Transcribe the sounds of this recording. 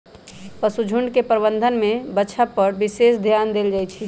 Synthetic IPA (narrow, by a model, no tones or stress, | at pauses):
pəsud͡ʒʱuɳɖkepɾəbə̃nd̪ʱənmebəːʃʰapəɾbisesd̪ʱjand̪eld͡ʒajt͡ʃʰi